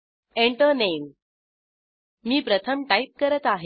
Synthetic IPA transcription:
eɳʈəɾnejm | miːpɾət̪ʰəmʈaip̚kəɾət̪aɦe

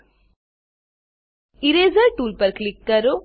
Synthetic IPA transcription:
iɾeːzɐɾʈuːlpɐɾklikːɐɾu

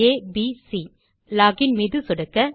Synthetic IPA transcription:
eːbisi | laːɡɪnmiːðɯsɔɽɐkːɐ

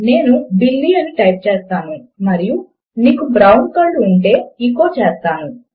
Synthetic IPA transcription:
ne̞ːnubilːiːɐniʈɐjp̚t͡ʃeːst̪aːnumɐɾiju | niːkubɾɐwnkɐːɖuɳʈe̞ːiŋko̞ːt͡ʃeːst̪aːnu

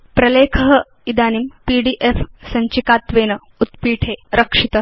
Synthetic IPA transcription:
pɾɐleːkʰɐɦɐ̆ | id̪aːnimpiːɖiːʔefsɐɲt͡ʃikaːt̪ʋeːnɐ | ut̪piːʈʰeːɾɐkʂit̪ɐ

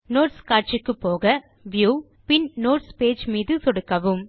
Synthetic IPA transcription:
noːʈskaːɾ̚t͡ʃɪkːɯpːoːɣɐ | ʋjuː | pɪnnoːʈspeːd͡ʒmiːðɯt̪ɔɽɯkːɐʋɯm

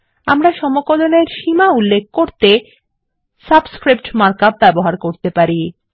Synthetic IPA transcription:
a̰mɾaʃɔmokoloneɾʃimaulːek̚ʰkoɾt̪e | sabskɾip̚ʈmaɾkab̚bɛboɦaɾkoɾt̪epaɾi

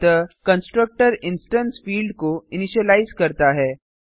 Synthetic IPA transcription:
əkə̃nsʈɾək̚ʈəɾɪnsʈənsfiːlɖkoiniɕəlaizkəɾt̪aɦɛ

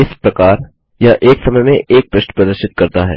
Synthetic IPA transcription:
ɪspɾɐkaːɾ | jaʔeːksɐməjmẽʔeːk̚pɾɪʃʈpɾɐd̪əʃɪt̪̚kɐɾt̪aɦɛ̰ː

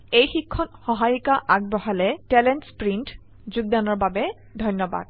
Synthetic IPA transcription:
ejxikʰːɔnxɔɦajukaʔaɡ̚bɔɦalɛtɛlɛntspɹint | zuɡ̚danɔɹbabɛ | dʱɔjnːɔba̰d̥̚

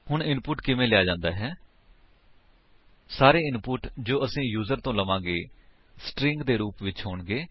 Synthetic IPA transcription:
hʊɳɪnpʊʈkɪmẽːlɪjaːd͡ʒãːnd̪aːɦɛː | saːɾeːɪnpʊʈd͡ʒoːəsĩːjuːzəɾt̪õːləʋãːɡeː | sʈɾɪ̃ŋɡd̪eːɾuːpʋɪt͡ʃɦoːɳɡeː

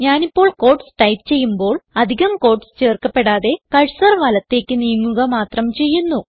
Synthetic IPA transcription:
ɲaːnipːo̞ːɭko̞ːrʈsʈɐjpt͡ɕe̞jːumbo̞ːɭɐd̪ʱiɣɐmko̞ːrʈsɨ̥t͡ɕe̞ːrkɐpːe̞ɽaːðe̞kɐɻsɐrʋɐːlɐt̪ːe̞ːkʲːɨnijɐmːuɣɐmaːt̪rɐmt͡ɕe̞jːunːu

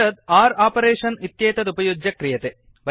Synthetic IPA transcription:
ɐt̪̚aːɾaːpɐɾeːʂɐnit̪jeːt̪ɐt̪ubɐjoːd͡ʑɐkrijɐt̪ɨ | ʋɐ

